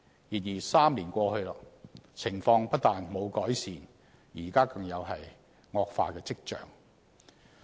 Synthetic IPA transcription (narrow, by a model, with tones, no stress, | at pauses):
jiː˨t̚jiː˨˩saː˥mliː˨˩nkʷɔː˧hɵ˧ɥlaː˧˥t͡sʰɪ˨˩ŋfɔː˧ŋpɐ˥t̚t̪aː˨nmo˨˧wkɔː˨˥jsiː˨n | jiː˨˩kaː˥kɐ˧ŋjɐ˨˧wɦɐ˨j | ŋɔː˧k̚fa̰ː˧kɛː˧t͡sɪ˥k̚t͡ʃœ̰ː˨˩ŋ